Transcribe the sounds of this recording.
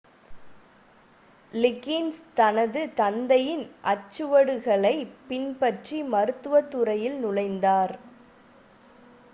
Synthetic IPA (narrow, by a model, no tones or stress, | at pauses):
lɪkːɪnst̪ɐnɐðɯt̪ɐnd̪ɐjɪnʔɐt͡ʃːɯʋɐɽɯɣɐɭɐɪpɪnpɐʈrimɐɾɯt̪ːɯʋɐt̪ːɯɾɐjɪlnʊlɐɪnd̪aːɾ